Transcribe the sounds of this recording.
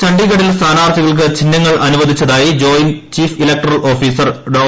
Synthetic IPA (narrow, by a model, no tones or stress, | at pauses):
t͡ɕɐɳɖiɣɐɽilst̪ʰaːnaːrt̪ʰiɣɐɭk̬ɨt͡ɕinːɐŋːɐɭʔɐnuʋɐd̪ʱit͡ɕːɐðaːjid͡ʑo̞ːjint͡ɕiːfilɐk̚ʈɐrɐɭʔo̞ːfiːsɐrɖoː